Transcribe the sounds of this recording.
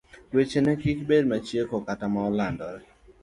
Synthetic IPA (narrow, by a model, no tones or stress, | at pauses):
wet͡ʃenɛkikbedmat͡ʃjekɔkatamaɔlandɔɾɛ